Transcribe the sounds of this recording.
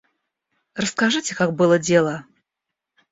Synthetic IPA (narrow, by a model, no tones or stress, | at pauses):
rəskaʐɨtʲɪkak̚bɨlˠədʲelˠə